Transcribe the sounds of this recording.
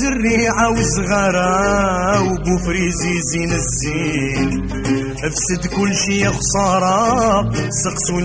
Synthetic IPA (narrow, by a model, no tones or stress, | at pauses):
zərːiʕawəzɣæɾˤæ | wbufɾizizinəzːi | n | ʔəfsəd̪kʊlːʃiəxsˤɑɾˤɑ | səqsun